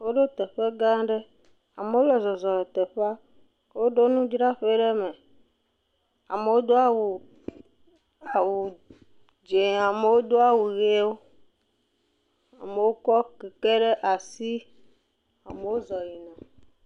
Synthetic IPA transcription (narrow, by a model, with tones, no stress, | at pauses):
wo˦ɖo˦t̪ɛ˨ɸe˦ɡã˦ɖe˦ | a˨me˨wo˦lɛ˨zɔ˨zɔ˨lɛ˨t̪ɛ˨ɸe˦a˦˨ | wo˦ɖo˦nũ˦d͡ʒɾa˦ɸe˦ɖe˦mẽ˨ | a̰˨me˨wo˦d̪o˦a˦wu˨ | a˨wu˨ | d͡ʒe˨a˨me˨wo˦d̪o˦a˦wu˨ɣe˦wo˦ | a̰˨me˨wo˦kɔ˦kɛ˨ke˦ɖe˦ʔa˨si˦ | a˨me˨wo˦zɔ˨ji˨nã˨